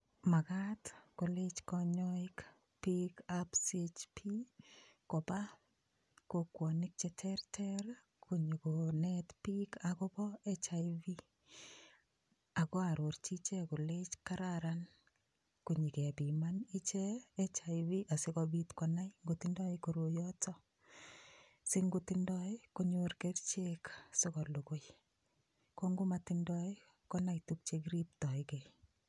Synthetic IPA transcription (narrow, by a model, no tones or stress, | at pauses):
makatkolet͡ʃkɔɲɔɪk | pikapset͡ʃpʰi | kopa | kokwɔnɪk̚t͡ʃɛtʰɛrtʰɛɾ | kʰuɲikonɛtpikakɔbɔɛt͡ʃaivi | akɔaɾort͡ʃit͡ʃekolet͡ʃkaɾaɾan | kuɲikɛbimanit͡ʃɛːt͡ʃaɪβiʔasɪkɔbitkɔnajŋɡʊtɪndɔɪkoɾojɔtɔ | sɪŋɡutɪndɔɪkoɲʊrkert͡ʃeksɪkɔlokoj | kɔŋɡʊmatɪndɔɪ | kɔnaituk̚t͡ʃekɾip̚tɔɪke